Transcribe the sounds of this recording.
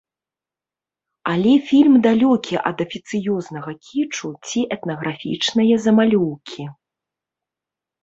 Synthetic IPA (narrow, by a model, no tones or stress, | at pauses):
alʲɛfʲilʲmd̪alʲɔkʲiʔɐ̰d̪ɐfʲit̪sɨjɔznɐɣɐkʲʰit͡ʂut͡sʲiʔɛt̪nɐɣɾafʲḭt͡ʂnɐjɐzɐmalʲɔwkʲʰi